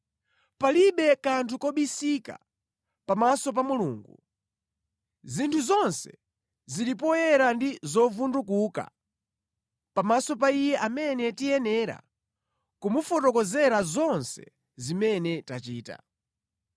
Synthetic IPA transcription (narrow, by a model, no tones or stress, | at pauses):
paliɓɛkantʰukɔɓisika̰ | pamasɔp̬amulṵːŋɡu | zintʰuzɔnsɛ | zilipɔjɛɾandizɔvundukuːka̰ | pamasɔp̬aijɛʔamɛnɛtijɛnɛːɾa̰ | kumufɔtɔkɔzɛɾazɔnsɛ̰ | zimɛnɛtat͡ʃiːta̰